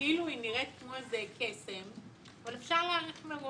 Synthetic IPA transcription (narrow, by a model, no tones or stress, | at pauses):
iluiniʁet̪̚kmozekʰesem | avalefʃaʁlaːʁiχmeʁo